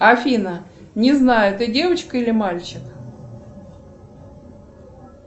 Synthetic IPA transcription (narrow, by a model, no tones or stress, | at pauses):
ɐfʲinə | nʲɪznajʊt̪ɨdʲe̞vət͡ɕkəilʲɪmalʲt͡ɕɪk